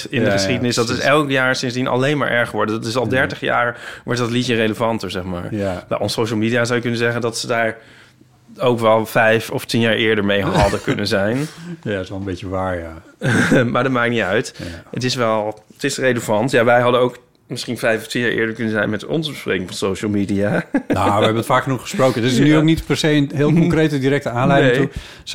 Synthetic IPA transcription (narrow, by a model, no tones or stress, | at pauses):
ɪndəχəsχχidənɪsdɑtɪsɛlˠkjaːɹsɪnzdinɑ̰lejnma̰ːɹʔɛɹχəʋɔɹdədɑtɪsɑlˠdɛɹtəχja̰ːɹʋɔɹt̚dɑtlitjərejləvɑntəɹzɛχma̰ːɹna̰ʔɔnsowʃəl̩ˠmiːdijazawjəkɵnəzɛχəndɑtsədaːɹ | owkʋɛlˠfɛjfɔftinjaːɹʔɪːɹdəɹmejɦɑdəkɵnəzɛjnsɛlˠəmbetəʋaːɹja | maːdɔtmaːk̚nitœɥtətɪsʋɛlˠətɪsreləvɑntjaʋɛjɦɑdənowk | mɪsχinfɛjfɔftinjaːʔɪ̰ːɹdəɹkɵnənzɛjnmɛtɔ̰nzəbəspreːkɪŋfɑnsowʃəlˠmidianaʋəɛbənətfaːkχnuχəsprowkəndɪsnyoknitpɛɹsejənɦɪːlˠkɔŋkrejtədiɾɛk̚təaːnlɛjdɪŋtu